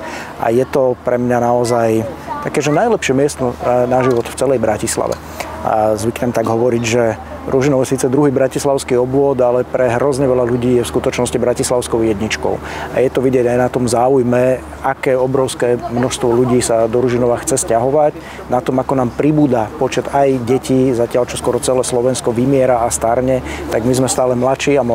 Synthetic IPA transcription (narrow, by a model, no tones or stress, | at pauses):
ʔa̰jɛt̪ɔpɾɛmɲanaɔzajt̪akɛːʒɛnajlɛpʃɪɛmɪɛst̪ɔnaʒiʋɔt̪ft͡sɛlɛjbɾacisla̰ʋɛ̰ | a̰zʋikɲɛmt̪aɡɦɔʋɔɾiɟʒɛ | ɾuʒinɔʊɛsiːt͡sɛd̪ɾuɦiːbɾacislaʊskiɔbʊɔd̪alɛpɾɛɦɾɔzɲɛʋɛlaluɟiːjɛfskut̪ɔt͡ʃnɔscibɾacislaʊskɔʊjɛd̪ɲit͡ʃkɔ̰ʊa̰jɛt̪ɔʋiɟɪɛɟajnat̪ɔmzaːujmɛ | akɛːɔbɾɔʊskɛːmnɔʃst̪ʋɔluɟiːsad̪ɔɾuʒinɔʋaxt͡sɛscaɦɔʋac | nat̪ɔmakɔnaːmpɾibuːd̪apɔt͡ʃɛd̪ajɟɛciːzacɪalt͡ʃɔskwɔɾɔt͡sɛlɛːslɔʋɛnskɔʋimɪɛɾaast̪aɾɲɛt̪aɡmizmɛst̪aːlɛmlat͡ʃiːam